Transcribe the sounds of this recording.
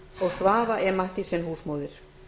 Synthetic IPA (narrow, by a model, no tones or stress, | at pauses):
ɔɣsvaːvaʔɛɾmaht̪ɪsɛmhuːsmoːwðɪɾ̥